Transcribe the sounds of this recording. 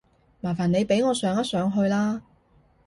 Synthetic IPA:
maː˨˩faː˨˩ne˨˧jpe˨˥jŋɔː˨˧sœː˨˧˥ŋɐ˥t̚sœː˨˥ŋɦɵ˧ɥlaː˥

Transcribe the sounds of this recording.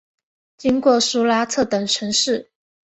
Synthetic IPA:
t͡ɕi˥ŋkwɔ˥˩su˥la˥t͡sʰɤ˥˩t̪ə˨˩ŋʈ͡ʂʰɤ˧˥ŋʂɻ̩˥˩

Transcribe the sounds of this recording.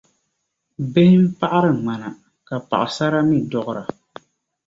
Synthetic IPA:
be˦hɪ˦m̩˦pa˦ʔa˦ɾɨ˨ŋ͡ma˨na˨ | ka˨pa̰˨ʔa˨sa˦ɾa˦mi˦dɔ˦ɣʊ˦ɾa˨

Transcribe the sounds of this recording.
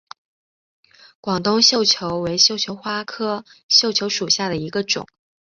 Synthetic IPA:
kwɑ˨˩ŋt̪ʊ˥ŋɕjo˥˩ʊt͡ɕʰjo˧˥ʊwe˧˥ɪɕjo˥˩ʊt͡ɕʰjo˧˥ʊxwa˥kʰɤ˥ɕjo˥˩ʊt͡ɕʰjo˧˥ʊʂu˨˩ɕja˥˩d̪ə˩i˧˥ɡə˧ʈ͡ʂʊ̰˨˩˦ŋ

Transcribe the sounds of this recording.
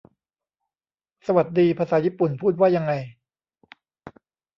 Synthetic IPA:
sa˧wa˨˩t̪̚diː˧pʰaː˧saː˩˦jiː˦˥˩pu˨˩npʰuː˥˩t̪̚waː˥˩ja˧ŋːa˧j

